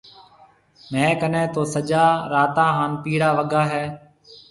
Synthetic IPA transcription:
mɛ̃ːkənɛ̃ːt̪oːsəd͡ʒaːɾaːt̪ãːɦaːnpiːɽaːʋəɠaːɦɛː

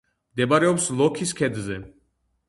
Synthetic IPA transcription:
md̪ɛbaɾɛɔpslɔkʰiskʰɛd̪zɛ

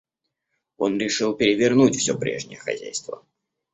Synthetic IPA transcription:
o̞nɾʲɪʂɨlˠpʲɪɾʲɪvʲɪrnutʲfsʲopɾʲe̞̰ʐnʲɪjəxɐ̰zʲæjst̪və̰

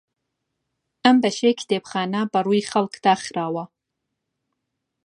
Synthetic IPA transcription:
ambɐʃekʲʰd̪ebχɑːnabaɾujχalkd̪aːχɾaːwa

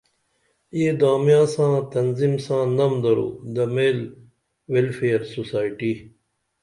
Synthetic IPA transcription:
eːd̪aːmjãːsãːt̪ɐnzimsãːnɐmd̪ɐɾo̰ːd̪ɐmeːl | welfeːɐɾsusaːiʈiː

